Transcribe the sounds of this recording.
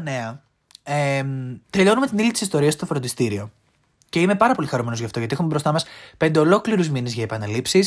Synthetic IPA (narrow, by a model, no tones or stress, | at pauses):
ne̞ɐ | emt̪e̞ʎo̞nume̞t̪inilit̪i̥sist̪o̞ɾiɐst̪ofɾond̪ist̪iɾio̞ | ce̞ime̞pɐɾɐpo̞lixɐɾume̞no̞zʝɐft̪oʝɐt̪ixumebɾo̞st̪ɐmɐspe̞nd̪e̞o̞lo̞kliɾuzminezʝɐepɐnɐlipsis